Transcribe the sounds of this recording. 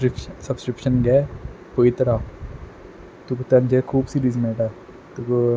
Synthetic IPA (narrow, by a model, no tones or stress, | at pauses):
ɾpsɐbskɾɪpʃənɡɛː | poʋit̪əɾaː | t̪ukt̪ɐnd͡ʒɛːkʰuːbsiːɾizmẽːʈa | t̪uk